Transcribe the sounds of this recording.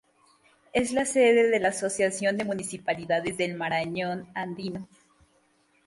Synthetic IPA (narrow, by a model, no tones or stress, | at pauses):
e̞zlase̞ðe̞ðe̞laːso̞sjasjo̞nd̪emũnisipaliðaðe̞zðelmaɾaɲo̞nand̪ino̞